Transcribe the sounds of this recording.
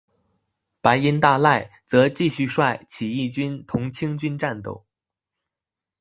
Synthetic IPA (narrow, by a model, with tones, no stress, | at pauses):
pa˧˥ɪi˧˥nt̪a˥˧la˥˩ɪt͡sɤ˧˥t͡ɕi˥˧ɕy˥˧ʂwa˥˩ɪt͡ɕʰi˨˩i˥˩t͡ɕy˥nt̪ʰʊ˧˥ŋt͡ɕʰi˥ŋt͡ɕy˥nʈ͡ʂa˥˧nt̪o̰˥˩ʊ